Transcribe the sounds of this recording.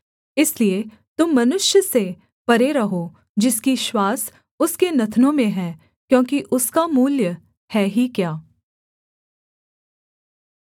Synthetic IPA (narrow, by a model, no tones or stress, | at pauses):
ɪslie | t̪ʊmːɐnʊʃjəse | pɐɾeɾɐɦo | d͡ʒɪskiʃwaːs | ʊskenɐt̪ʰnõmẽɦɛː | kjõːkiʔʊskamuːljə | hɛːɦikjaː